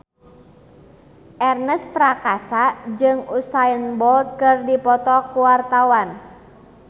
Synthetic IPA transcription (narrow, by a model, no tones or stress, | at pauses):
ʔɛrnəspɾakasad͡ʒɨŋusajənbɔlt̪̚kɨrdipɔt̪ɔkuwart̪awan